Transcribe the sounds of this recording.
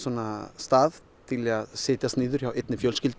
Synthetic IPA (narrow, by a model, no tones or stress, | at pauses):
sɔnast̪aːð | t̪ʰɪlaðsɪːt̪ast̪nɪːðʏɾ̥çawɪt̪nɪfjœːlscɪlt̪